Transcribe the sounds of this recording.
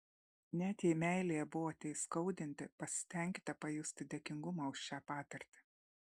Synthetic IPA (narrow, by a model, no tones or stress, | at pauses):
nʲæːt̪ʲjiːmʲæˑɪlʲeːjɛbʊʋoːt̪ʲɛɪskɒʊd̪ʲɪnʲt̪ʲɪpɐsʲɪ̥t̪ʲɛˑŋʲkʲɪ̥t̪ʲɛpɐjʊsʲt̪ʲɪd̪ʲɛkʲɪŋɡʊmɐːʊʃʃʲæːpɑːt̪ɐɾʲt̪ʲɪ̥